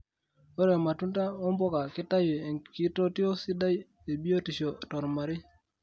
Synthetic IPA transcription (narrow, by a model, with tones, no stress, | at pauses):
o˦ɾe˨ma˨tu˦nta˦ɔ˦mbɔ˦ka˨kɪ˦ta˦je˨ŋki˦to˦tɪ˦o˦si˦da˦j | e˨bi˦o˦ti˨ʃo˨tɔ˨ɾma˨ɾɪ˦